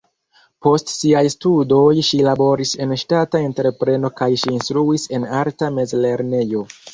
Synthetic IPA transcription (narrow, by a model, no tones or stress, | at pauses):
po̞stsiajstudo̞jʃilabo̞ɾise̞nʃtatae̞nteɾepɾe̞no̞kajʃiːnstɾuise̞naɾtame̞zle̞ɾne̞jo̞